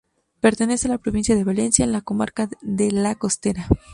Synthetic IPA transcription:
pe̞ɾt̪e̞ne̞se̞alapɾo̞βinsjaðe̞βale̞nsjaenlako̞ma̰ɾkaðe̞lako̞st̪e̞ɾa

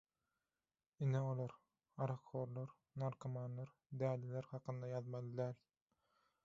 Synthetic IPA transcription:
ineolˠoɾ | ɑɾɑkʰːoːɾlˠoɾ | nɑɾkʰɑmɑnːˠɑɾ | d̪æːleleɾhɑqʰɯnd̪ɑjɑðmɑlˠɯd̪æːl

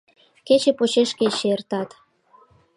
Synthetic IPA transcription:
ket͡ɕĕpot͡ɕeʃket͡ɕert̪ɑt̪

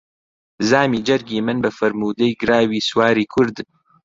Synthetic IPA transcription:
zaːmiːd͡ʒɐɾɡiːmɨnbɐfɐɾmuːd̪ɐjɡɨɾaːwiːswaːɾiːkʰʊɾd̪

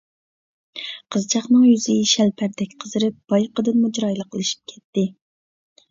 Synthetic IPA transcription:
qʰəzt͡ʃʰɑχnɨŋjyzɪʃɛlpʰæɾd̪ɛk̚ʲqʰəzɨɾɨp̚b̥ɑjqʰəd̪ɨnmud͡ʒɾɑjlˠəqelɪʃi̥p̚kʲʰɛ̥t̪ːɪ

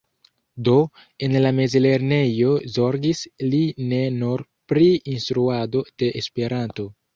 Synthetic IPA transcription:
do̞ | e̞nlame̞zle̞ɾne̞jo̞zo̞ɾɡisline̞nuɾ | pɾiinstɾuado̞d̥e̞ʔespe̞ɾanto̞

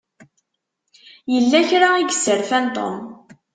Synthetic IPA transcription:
jəlːæçɾaiɡəsəɾfænt̪ˤo̰m

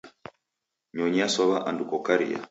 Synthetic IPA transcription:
ɲɔɲasɔβaʔandukɔkaɾḭja̰

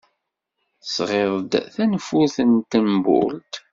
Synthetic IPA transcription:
θəsʁeðˤd̪θænfuθənt̪əmbʊ̰lt̪

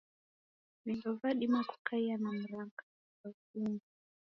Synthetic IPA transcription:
milɔvaɗimaku̥kaianam̩ɾaŋka | akuŋɡu

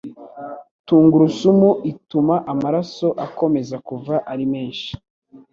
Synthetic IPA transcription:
tuːŋɡuɾusumuʔitumaʔamaɾaso̞ʔako̞me̞zakuvaʔaɾime̞ːnʃi̥

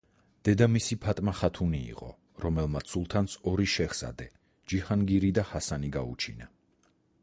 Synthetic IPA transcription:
d̪̥ɛd̪amisipʰat̪ʼmaχat̪ʰunḭːqʼɔ̰ | ɾɔmɛlˠmat̪sulˠt̪ʰansʰɔɾiʃɛχsa̰d̪ɛ | d͡ʒiχanɡiɾid̪ahasaniɡaṵt͡ʃʰina

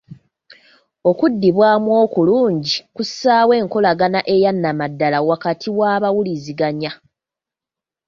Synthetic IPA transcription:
o̞kudːiβwaːmwo̞ːkuluːɲɟikusaːwe̞ːŋko̞laɡanaʔe̞janːamadːalawakatʰiwaβawuliziɡaɲa

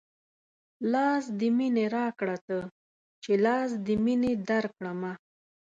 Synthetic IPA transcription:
lɑsd̪əmineɾɑkɽat̪ə | t͡ʃelɑs̬d̪əmined̪aɾkɽama

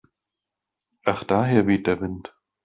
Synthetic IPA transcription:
ʔaχd̥aːɦeːɐviːt̚d̥eːɐvɪnt

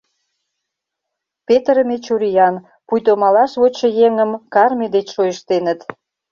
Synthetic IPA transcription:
pet̪ɾəmet͡ɕuɾijɑn | pujt̪omɑlɑʃβot͡ɕə̆jeŋə̆mkɑrmʲid̪et͡ɕʃojəʃt̪enət̪

